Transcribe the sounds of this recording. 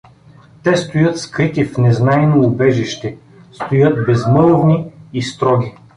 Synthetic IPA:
t̪ɛst̪ojɤt̪skɾit̪ifnɛznajnoːbɛʒiʃt̪ɛ | st̪ojɤt̪bɛzmɤlˠvniːst̪ɾɔɡʲi

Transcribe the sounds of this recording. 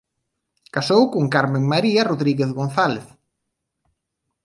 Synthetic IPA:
kasowkʊŋkaɾmeŋmaɾiaroðɾiɣeθɣon̟θaleθ

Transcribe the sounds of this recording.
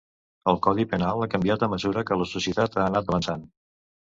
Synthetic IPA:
əlˠkɔðipənalˠakəmbiat̪əməzuɾəkələsusjət̪at̪aːnat̪̚əβənsan

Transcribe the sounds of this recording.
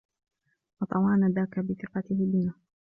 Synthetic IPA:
wɑt̪ˤɑwɑːnaðaːkabɪθɪqɑt̪ɪhɪliːna

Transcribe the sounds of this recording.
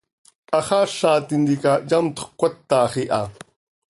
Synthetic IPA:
aχaʃaːt̪ind̪ikajamt̪o̥χkʷat̪ːaχiʔa̰

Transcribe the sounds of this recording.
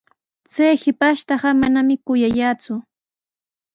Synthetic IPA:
t͡sajhɪpaʃt̪ɑɢɑmanamɪkʊjajaːt͡sʊ

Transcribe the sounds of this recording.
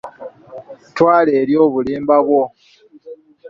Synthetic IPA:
twaːle̞ːɾjo̞ːβuliːmbaβwo̞

